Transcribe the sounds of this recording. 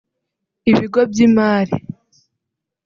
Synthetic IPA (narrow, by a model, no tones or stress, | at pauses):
iβiɡobɟimaːɾḭ